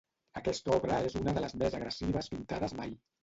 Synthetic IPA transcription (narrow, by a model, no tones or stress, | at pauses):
əkɛst̪ɔβɾəezunəðələzmezəɣɾəsiβ̞əspint̪aðəzmaj